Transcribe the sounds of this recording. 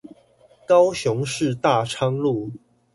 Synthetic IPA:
kɑ˦ʊɕjʊ˧˦ŋʂɻ̩˥˨t̪a˥˨ʈ͡ʂʰɑ˥˦ŋlu˥˨

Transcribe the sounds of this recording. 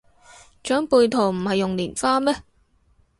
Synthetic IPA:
t͡ʃœː˨˥ŋpuː˧jt̪ʰo˨˩wm̩˨˩hɐ˨jːʊ˨ŋliː˨˩nfaː˥mɛ˥

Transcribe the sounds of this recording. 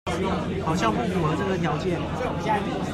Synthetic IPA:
xɑ˨˩ʊɕjɑ˥˧ʊpu˥˩t͡su˨˩xɤ˧˦ʈ͡ʂɤ˥˩ɡə˨˩njɑ˨˧˥ʊt͡ɕjɛ˨˩n˥˧˥

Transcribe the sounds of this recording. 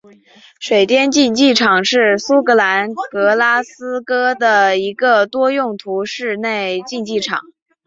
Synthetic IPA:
ʂwe˨˩ɪt̪jɛ˥nt͡ɕi˥˧nt͡ɕi˥˩ʈ͡ʂʰɑ˨˩ŋʂɻ̩˥˩su˥kɤ˧˥la˧˥nkɤ˧˥la˥sɹ̩˥kɤ˥d̪ə˨˩i˧˥ɡə˧t̪wɔ˥jʊ˥˩ŋt̪ʰu˧˥ʂɻ̩˥˧ne˥˧ɪt͡ɕi˥˧nt͡ɕi˥˩ʈ͡ʂʰɑ̰˨˩˦ŋ

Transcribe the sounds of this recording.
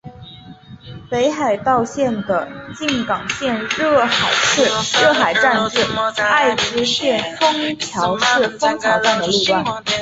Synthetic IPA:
pe˧˥ɪxa˨˩ɪt̪ɑ˥˧ʊɕjɛ˥˩nd̪ə˩t͡ɕi˥˩ŋkɑ˨˩ŋɕjɛ˥˧nɻɤ˥˩xa˨˩ɪʂɻ̩˥˧ɻɤ˥˩xa˨˩ɪʈ͡ʂa˥˧nʈ͡ʂɻ̩˥˩a˥˩ɪʈ͡ʂɻ̩˧˥ɕjɛ˥˩fɤ˥ŋt͡ɕʰjɑ˧˥ʊʂɻ̩˥˩fɤ˥ŋt͡ɕʰjɑ˧˥ʈ͡ʂa˥˩nd̪ə˩li˥˧t̪wa˥˩n

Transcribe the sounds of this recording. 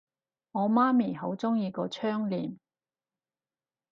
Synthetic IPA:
ŋɔː˨˧maː˥miː˨˩ɦo˨˥wt͡sʊ˥ŋjiː˧kɔː˧t͡ʃʰœː˥ŋliː˨˩m

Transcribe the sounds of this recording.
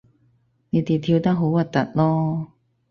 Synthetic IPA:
ne˨˧jt̪e˨˩t̪ʰi˧wt̪ɐ˥k̚ɦo˨˥wɐ˨˩t̪ɐ˨t̚lɔː˥

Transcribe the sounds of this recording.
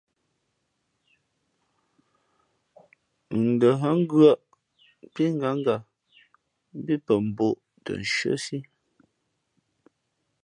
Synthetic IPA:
n̩˨də˨ɦə˦ŋ̩˦ɡɰə˦ʔ | pi˦ŋ˦ɡa˨˦ŋ˦ɡa˨˦ | bi˦pə˨m̩˨bo˦˨ʔ | tə̰˨n˨ʃə̰˦si˦

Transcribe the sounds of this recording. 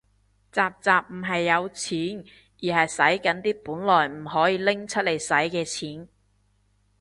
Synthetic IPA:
t͡saː˨p̚t͡saː˨p̚m̩˨˩ɦɐ˨jːɐ˨˧wt͡sʰiː˨˥n | jiː˨ɦɐ˨jsɐ˨˥jkɐ˨˥nt̪iː˥puː˨˥nlɔː˨˩jm̩˨˩ɦɔː˨˥jiː˧lɪ˥ŋt͡ʃʰɵ˥t̚le˨˩jsɐ˨˥jkɛː˧t͡sʰiː˨˥n

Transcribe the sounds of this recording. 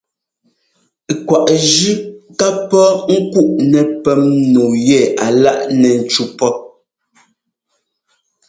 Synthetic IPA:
kwa˨ʔd͡ʒʉ˦ka˦pːɔ˦ŋ̩˦ku˦ʔnɛ˨pɛ˦mnu˨jɛ˦˨a˨la˦ʔnɛ˨n̩˨t͡ʃu˦pɔ˦

